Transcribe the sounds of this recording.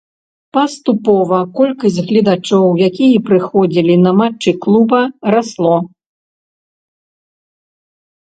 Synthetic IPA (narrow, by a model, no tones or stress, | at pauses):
pɐst̪upɔvɐkɔlʲkɐsʲtʲɣlʲid̪at͡ʂɔwjakʲijɐpɾɨxɔd͡zʲilʲinɐmat͡ʂːɨklˠubɐɾaslˠɔ